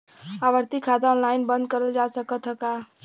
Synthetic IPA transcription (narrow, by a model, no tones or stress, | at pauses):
abəɾt̪ikʰad̪aɔnlainbənd̪̚kəɾəld͡ʒasəkət̪ɦəka